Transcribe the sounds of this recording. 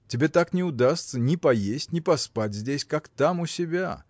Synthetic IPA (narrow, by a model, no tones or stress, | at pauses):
tʲɪbʲet̪aknʲɪʊd̪ast̪sənʲɪpɐjesʲtʲnʲɪpɐspatʲzʲdʲesʲkakt̪amʊsʲɪbʲa̰